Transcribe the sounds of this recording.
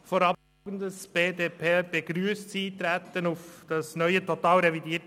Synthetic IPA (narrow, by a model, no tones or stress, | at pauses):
foɾɑb | ɡn̩dəsb̥eːdeːpʰeb̥eɡɾyːst͡siːtɾɛt̪ənufd̥ɑsnœʏətʰotɑːlɾɛvidiːt